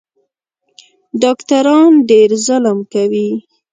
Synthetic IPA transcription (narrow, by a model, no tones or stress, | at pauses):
ɖɑkt̪aɾɑnɖeɾzʊləmkawi